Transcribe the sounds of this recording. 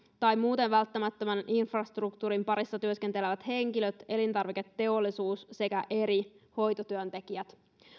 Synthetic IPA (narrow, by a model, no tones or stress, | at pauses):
t̪ɑjmuːt̪enʋælt̪ːæmæt̪ːømænʔinfrɑst̪rukt̪uɾimpɑɾisːɑt̪yøskent̪eleʋæt̪he̞ŋk̟ilø̞t̪e̞lint̪ɑrʋike̞t̪ːe̞o̞lːisuːsse̞kæʔe̞ɾiho̞jt̪o̞t̪yønt̪e̞k̟iæt̪